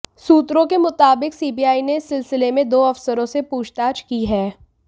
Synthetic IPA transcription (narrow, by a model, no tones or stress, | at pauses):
suːt̪ɾõkemʊt̪aːbɪksiːbiaːinesːɪlsɪlemẽd̪oːɐfsəɾõsepuːt͡ʃʰt̪aːt͡ʃkiɦɛː